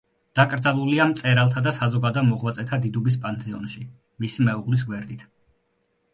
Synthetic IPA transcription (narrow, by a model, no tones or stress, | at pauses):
d̪̥akʼɾd̪zalˠuliamt̪sʼɛɾalˠt̪ʰad̪asazɔɡad̪amɔʁlat̪sʼɛt̪ʰad̪id̪ubis̬pʼant̪ʰʼɛɔnʃi | misimɛuʁlis̬ɡwɛɾd̪it̪ʰ